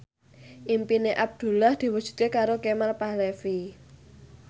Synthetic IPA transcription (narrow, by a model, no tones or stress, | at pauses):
ʔimpineʔab̚d̪̥ṳlahd̪̥i̤wud̥ʒ̥ṳt̪̚kekaɾokemalpahlɛfi